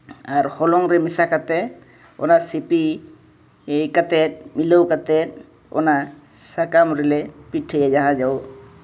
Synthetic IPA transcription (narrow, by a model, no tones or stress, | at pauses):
aɾhɔlɔŋɾɛmisakat̪ɛt̪̚ | ɔ̰nasipi | jkat̪ɛt̪̚milowkat̪ɛt̪̚ | ɔ̰nasakamɾɛlɛpiʈʰːejad͡ʒaɦãd͡ʒaw